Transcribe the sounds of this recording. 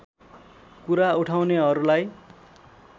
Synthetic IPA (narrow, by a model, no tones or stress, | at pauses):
kuɾauʈʰawneɦʌɾulaj